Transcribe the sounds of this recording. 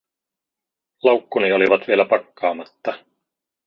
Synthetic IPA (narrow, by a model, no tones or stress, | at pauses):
lɑwkːunio̞liʋɑt̪ʋielæpɑkːɑːmɑt̪ːɑ